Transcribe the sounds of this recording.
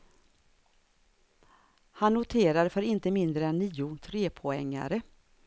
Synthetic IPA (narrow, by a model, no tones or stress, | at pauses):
hanːʊt̪ʰeːɾaɾfœɾɪnt̪əmɪnd̪ɾəɛnːiːʊt̪ʰɾeːpʰɔɛŋːa̰ɾə